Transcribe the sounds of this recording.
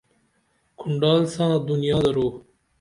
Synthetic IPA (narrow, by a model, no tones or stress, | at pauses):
kʰʊɳɖɑːlsãːd̪unijɑːd̪ɐɾoː